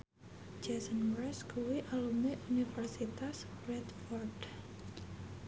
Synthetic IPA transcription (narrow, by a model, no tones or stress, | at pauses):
d͡ʒesənbɾɛskuwiʔalumneʔunifərsit̪asrɛt̪fɔrd